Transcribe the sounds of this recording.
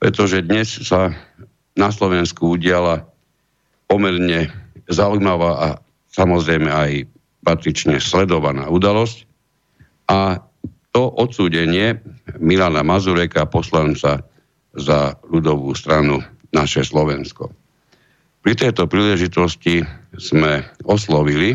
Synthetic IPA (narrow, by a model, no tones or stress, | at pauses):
pɾɛ̰t̪ɔʒɛd̪ɲɛssa | naslɔʋɛnskuuɟɪala | pɔmɛɾɲɛzaujmaʋaːʔa | samɔzɾɛjmɛaj | pat̪ɾit͡ʃɲɛslɛd̪ɔʋanaːud̪alɔsc | ʔa | t̪ɔʔɔt̪suːɟɛɲɪɛmilanamazuɾɛkapɔslant͡sa | zalud̪ɔʋuːst̪ɾanu | naʃɛslɔʋɛnskɔ̰ | pɾit̪ɛjt̪ɔpɾiːlɛʒit̪ɔsciz̥mɛɔslɔʋili